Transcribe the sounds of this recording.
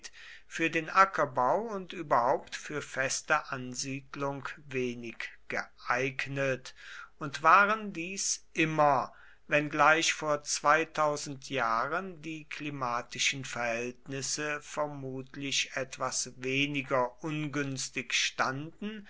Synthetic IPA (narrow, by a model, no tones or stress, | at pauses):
t | fyːɐdeːnʔakʰɐbaʊʊntʔyːbɐhaʊptfyːɐfɛstəʔanziːdlʊŋkveːnɪkɡ̥əʔaɪɡnətʊntv̥aːʁəndiːsʔɪmɐ | vɛnɡlaɪʃfoːɐt͡sv̥aɪtʰaʊzn̩tʰjaːʁəndiːkʰlimaːtɪʃn̩fɛɐhɛltnɪsəfɛɐmuːtʰlɪçʔɛtv̥asveːnɪɡɐʔʊnɡʏnstɪçʃtandn̩